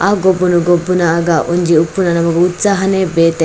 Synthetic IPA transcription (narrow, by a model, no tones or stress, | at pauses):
ʔaːɡobːunuɡobːunaːɡaʔuɲd͡ʒiupːunɐnɐmɐɡuut̪saːɦɐnebeːt̪e